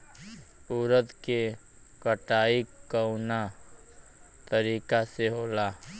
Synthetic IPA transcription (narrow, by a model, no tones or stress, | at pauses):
uːɾət̪ke | kəʈaːikːəʊna | t̪əɾiːkaseɦoːlaː